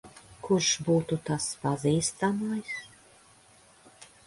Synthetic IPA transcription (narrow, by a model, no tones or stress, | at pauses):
kuʃbuːt̪ut̪aspaziːst̪amajs